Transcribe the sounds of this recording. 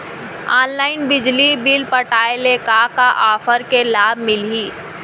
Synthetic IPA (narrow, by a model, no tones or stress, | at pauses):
aːnlaːɪnbɪd͡ʒlibɪlpəʈaːelekakaʔaːfʰəɾkelaːbʱmɪlɦiː